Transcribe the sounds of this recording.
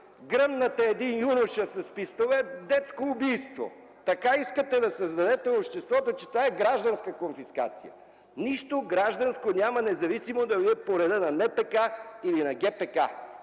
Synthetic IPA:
ɡɾəmnɐt̪əɛd̪injunʊʃəsɐspist̪ovɛd̪ɛt̪skoːbijst̪vo̰ | t̪ɐkaiskət̪ɛd̪ɐsəzd̪ɐd̪ɛt̪ɛopʃt̪ɛst̪vɔt̪ot͡ʃɛt̪ovaɛɡɾaʒd̪ɐnskəkonfiska̰t̪sḭjɐ̰ | niʃt̪oɡɾaʒd̪ɐnskonʲamɐnɛzɐvisimod̪ɐviɛpoɾɛd̪ənɐnɛpɛkailinɐɡʲɛpɛka̰

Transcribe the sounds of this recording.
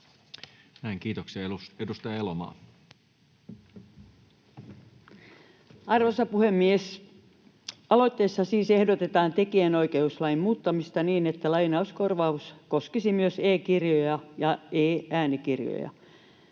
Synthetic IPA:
næiŋkiːt̪oksiɑuedust̪ɑjɑelomɑ̰ː | ɑrʋosɑpuhemːies | ɑlo̞it̪ːeːsːɑsiːsehdot̪et̪ɑːnt̪ekieno̞ikeuslɑimmuːt̪ːɑmist̪ɑniːnet̪ːælɑinɑuskorʋɑuskoskisimyøseːkirjojɑjɑeːæːnikirjo̰jɑ̰

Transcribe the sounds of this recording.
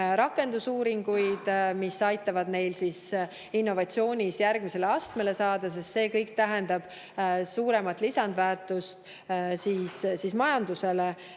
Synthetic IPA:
ɾɑkːˑe̞nd̪usuːɾiŋɡ̥ujd̪̥misɑjt̪ːˑɑvɑd̪ne̞jlsis | inːo̞vɑt̪sio̞ːnʲisjærɡ̥mise̞le̞ɑst̪me̞le̞sɑːd̪̥ɑs̬est̪se̞ːkɤjkt̪æɦe̞nd̪ɑb̥ | suːɾe̞mɑt̪ːˑlisɑnd̪væːrt̪ˑust̪ | siːssismɑjɑnd̪use̞le

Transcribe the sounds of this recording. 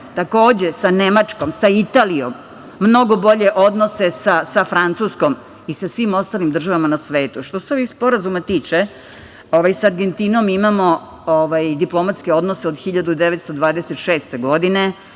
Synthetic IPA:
t̪ako̞ːd͡ʑe̞sane̞mat͡ʂko̞msait̪aːlio̰mː | no̞ɡo̞bo̞ʎe̞ʔo̞d̪no̞se̞sasafɾant̪susko̞m | isasʋimo̞st̪aːlimd̪r̩ʒaʋamanasʋe̞ːt̪uʃt̪o̞seo̞ʋixspo̞ɾazumat̪iːt͡ʃe | oʋajsaaɾɡent̪inomimamo̞ | oʋajd̪iplˠo̞mat̪skeo̞d̪noseod̪xiʎad̪ud̪eʋet̪st̪o̞d̪ʋaːd̪eset̪ʃeːst̪eɡo̞d̪ine

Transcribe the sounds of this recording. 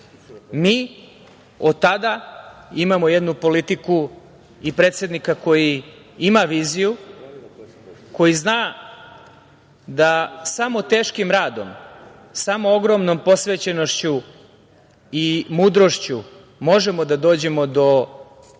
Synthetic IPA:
miː | od̪̚t̪ad̪aimamo̞jed̪nupo̞lit̪iku | ipɾe̞ːt̪sje̞d̪nikako̞ji | imaʋiːziju | ko̞jiznaː | d̪asamo̞t̪e̞ːʃkimɾaːd̪o̞̰m | samooɡɾo̞mno̞mpo̞sʋeːt͡ɕe̞no̞ʃt͡ɕu | imuːd̪ɾo̞ʃt͡ɕu | mo̞ʒe̞mo̞d̪ad̪o̞ːd͡ʑe̞mo̞d̪o̞

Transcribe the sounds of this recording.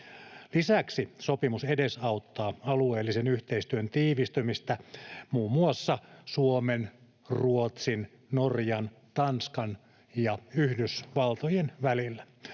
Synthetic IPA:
lisæksisopimusedesɑut̪ːɑːɑlueːlːisenyht̪eist̪yønt̪iːʋist̪ymist̪æmuːmːuɑsːɑsuomen | ruot̪sin | norjɑn | t̪ɑnskɑn | jɑyhdysʋɑlt̪ojenʋælilːæ

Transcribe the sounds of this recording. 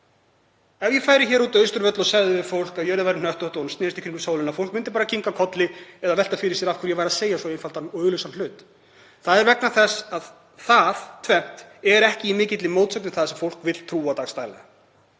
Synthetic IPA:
ɛvjɛfaːjɾɪçɛːɾuːt̪œɥst̪ʏɾvɛt̪lɔsɛɣðɪvɪfowl̥kaðjɛɾðavajɾɪnœht̪ɔht̪ɔwnst̪ɪːɾɪst̪ɪ̥hkɾiŋkʏ̥soːwlɪnaðfowlkmɪnt̪ɪ̥paːɾacʰiŋkakʰɔt̪lɪɛðavɛl̥t̪afɪɾɪsjɛɾafkʰvɪɾjɛvaːɾaðseːjasɔɪnfalt̪anœːɣlʏsanl̥ʏːt̪ | θaðɛɾvɛknaθɛsað | θaðt̪ʰvɛm̥t̪ɛɾɛhcɪimɪːcɪt̪lɪmoːwt̪sœknɪθaðsɛmfowl̥kvɪt̪lt̪ʰɾuːat̪ast̪ajlɛ̰a

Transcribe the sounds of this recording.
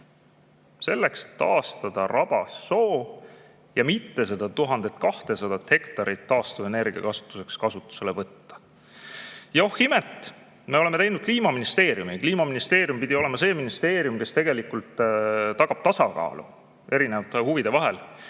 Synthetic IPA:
se̞lːe̞kse̥t̪ːɑ̰ːst̪ɑd̪̥ɑrɑb̥ɑsːo̞ː | jɑmit̪ːe̞s̬e̞d̪̥ɑt̪uɦɑnd̪̥e̞t̪kɑht̪e̞sɑd̪̥ɑt̪he̞kt̪ɑɾit̪ːɑːst̪ɑ̥ene̞rɡiɑ̰kɑsu̥t̪ːˑu̥se̞kskɑsut̪ːˑu̥se̞levɤt̪ːɑ̥ | johːimet̪ːˑ | me̞o̞le̞me̞t̪ejnud̥̪̚kliːmɑminist̪e̞ːɾjumikliːmɑminist̪e̞ːɾjumpid̪̥ʲio̞le̞mɑse̞ːminist̪e̞ːɾjumke̞st̪e̞ɡ̥e̞likult̪t̪ɑɡ̥ɑb̥̚t̪ɑsɑkɑ̰ːlṵ | e̞ɾinevɑt̪ːˑehuvid̪̥e̞vɑɦe̞l

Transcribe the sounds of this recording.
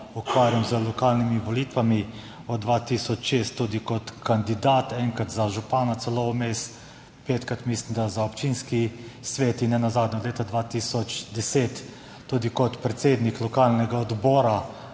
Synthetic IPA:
ukʋaːɾjamzəlɔkaːlnimiʋɔlit̪ʋami | ɔd̪̚d̪ʋat̪iːsɔt͡ʃʃest̪ːuːd̪ikɔt̪kand̪id̪at̪ɛŋkɾat̪zaʒupaːnat̪sɛlɔmest̪ | peːt̪kɾat̪mislimd̪azaɔpt͡ʃiːnskisʋeːt̪inːɛnazaːd̪nʲɛɔdleːt̪ad̪ʋaːt̪iːsɔt͡ʃd̪ɛseːt̪ː | uːd̪ikɔt̪pɾɛt̪seːd̪niklɔkaːlnɛɡaɔd̪bɔːɾa

